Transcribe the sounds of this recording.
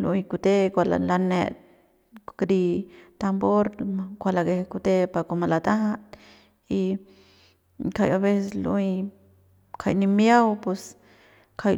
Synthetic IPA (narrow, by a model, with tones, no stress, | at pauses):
lṵ˧jku˧t̪e˦kʷa˧la̰la˧nḛ˧t̪̚ | kɾi˧t̪a˧mbo˦ɾkʷa˨la˧ɡe˧hku˧t̪e˦pa˨ko˧ma˧la˧t̪a˦ɦat̪ | i˧ | ka˧jaβe˦seslṵ˧j | kʰajni˧mja˦wpwe˧s | kʰa˧j